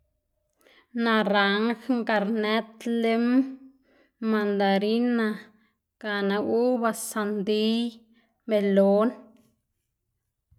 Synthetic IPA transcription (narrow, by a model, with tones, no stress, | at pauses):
nã˧ɾa˨ŋxŋka˧ɾnɛ˦t̪le˦m | a˧nd̪a˨ɾi˦na˧ | ka˧˨nã˧ʔu˦ba˧sa˧nd̪i˦ | me˧lo˦n